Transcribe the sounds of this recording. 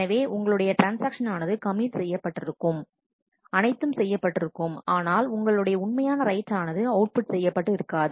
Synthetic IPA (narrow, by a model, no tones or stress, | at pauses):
ɐʋeːʔʊŋɡɐɭɯɽɐjɐʈɾaːnsaːkʂɐnaːnɐðɯkɐmiːʈsɛjːɐpːɐʈːɪɾɯkːɯm | ɐnɐɪt̪ːɯmsɛjːɐpːɐʈːɪɾɯkːɯmaːnaːlʊŋɡɐɭɯɽɐjɐʊɳmɐjaːnɐɾɐɪʈːaːnɐðɯɐʊʈ̚pʊʈsɛjːɐpːɐʈːɯɪɾɯkːaːðɯ